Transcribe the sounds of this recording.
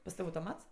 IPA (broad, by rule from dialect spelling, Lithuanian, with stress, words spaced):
pɐs ˈtɐw ɐʊtoːˈmɐts